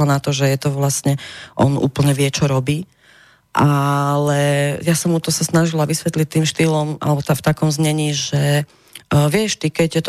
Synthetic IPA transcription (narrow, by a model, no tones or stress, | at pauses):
anat̪ɔʒɛjɛt̪ɔʋlastɲɛʔɔ̰nṵːpl̩ɲɛʋɪɛt͡ʃɔɾɔbiː | ʔalɛjasɔmut̪ɔsasnaʒilaʋisʋɛt̪lit̪ːiːmʃt̪iːlɔmʔa̰lɛbɔt̪aft̪akɔmzɲɛɲiːʒɛ | ʋɪɛʃt̪ikɛɟɛt̪